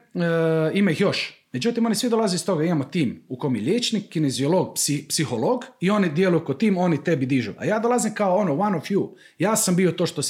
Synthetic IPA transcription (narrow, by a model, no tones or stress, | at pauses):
imaixjo̞ʃmed͡ʒut̪imo̞nisʋid̪o̞lazeist̪o̞ɡaimamot̪iːmuko̞jmjeʎʲjeːt͡ʃnikːinezioloːɡpsipsixoloːɡio̞nid̪jelujukot̪iːmo̞nit̪ebid̪iʒṵʔa̰jaːd̪olazimkaoonoʋanofju | jaːsambiot̪oʃt̪o